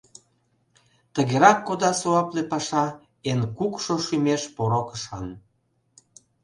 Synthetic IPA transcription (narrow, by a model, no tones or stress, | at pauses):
t̪əɣeɾɑkːod̪ɑsoɑplepɑʃɑ | enkukʃoʃymeʃpoɾokəʃɑn